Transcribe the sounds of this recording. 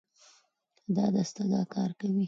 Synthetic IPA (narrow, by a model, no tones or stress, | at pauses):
d̪ɑd̪ast̪ad̪ɑkɑɾkawi